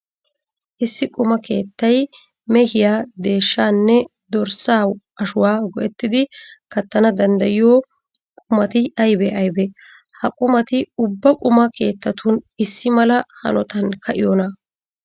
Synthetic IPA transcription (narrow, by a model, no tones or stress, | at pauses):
ʔɪsːɪkʼʊmɐkʰe̞̰ːt̪ːɐj | mɛhɪjaːd̪e̞ːʃːaːnːɛ | d̪ɔɾsaːw | ɐʃʊwaːɡɔʔɛt̪ːɪd̪ɪkɐt̪ːɐnɐd̪ɐnd̪ɐjɪjoː | kʼʊmɐt̪ɪɐjbɛʔɐjbɛ | hɐkʼʊmɐt̪ɪʊbːɐkʼʊmɐkʰe̞ːt̪ːɐt̪ʊnɪsːɪmɐlɐhɐ̰nɔt̪ɐnkʰɐʔɪjɔnɐ